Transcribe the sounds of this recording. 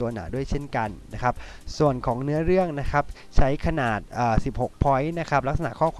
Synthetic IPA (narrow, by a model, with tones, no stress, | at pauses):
u˧ɐnaː˩˦du˥˩əjt͡ɕʰe˥˩nka˧nːa˦˥kʰa˦˥p̚ | su˨˩ənkʰɔː˩˦ŋnɯ˦˥ɐɾɯ˥˩əŋna˦˥kʰa˦˥p̚ | t͡ɕʰa˦˥jkʰa˧naː˨˩t̪̚ʔaː˨˩si˨˩p̚ho˨˩k̚pʰɔ˦˥jna˦˥kʰa˦˥p̚la˦˥k̚sa˧na̰˨˩ʔkʰɔː˥˩kʰː